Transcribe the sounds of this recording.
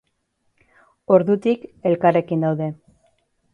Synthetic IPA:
o̞ɾðut̪ike̞lkare̞kind̪awðe̞

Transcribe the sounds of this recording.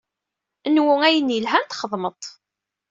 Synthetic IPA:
ənwʊŋæjənəlɦænt̪χəðˤmət̪ˤ

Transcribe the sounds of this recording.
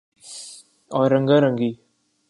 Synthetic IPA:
ɔɾəŋɡəɾəŋɡi

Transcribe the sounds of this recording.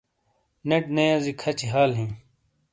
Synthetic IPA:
neʈnejazikʰɐt͡ɕʰiɦaːlɦĩː

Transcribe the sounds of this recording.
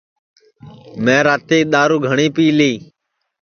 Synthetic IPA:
mẽːɾaːt̪eːɗ̪aːɾuːɡʱəɳiːpiːliː

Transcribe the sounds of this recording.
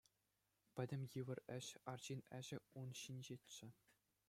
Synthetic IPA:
pʲɘ̆dʲɘ̆mʲjɯʋɤ̆rɘ̆ɕɑrʑinʲɘ̆ʑɘ̆unɕinʲd͡ʑetʲt͡ɕːɘ̆

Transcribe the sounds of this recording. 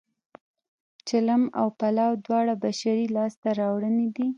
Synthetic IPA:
t͡ʃalama̰wpalawd̪wɑɽabaʃaɾilɑst̪aɾɑwɽəned̪i

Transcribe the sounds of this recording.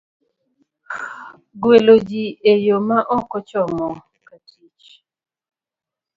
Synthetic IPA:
ɡwelod͡ʒiejomaʔɔkɔt͡ʃɔmɔ | katʰit͡ʃ

